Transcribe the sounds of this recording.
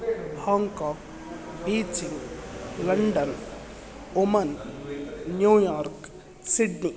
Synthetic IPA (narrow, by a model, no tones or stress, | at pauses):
bʱaːŋkaːk̚ | biːd͡ʒiŋɡlɐɳɖən | omɐnː | juːjaːɾk | siɖni